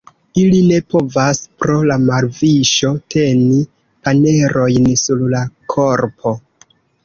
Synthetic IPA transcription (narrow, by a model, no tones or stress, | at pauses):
iline̞po̞vaspɾo̞lamaɾviʃo̞tʰe̞ni | pane̞ɾo̞jnsuɾlakʰo̞ɾpʰo̞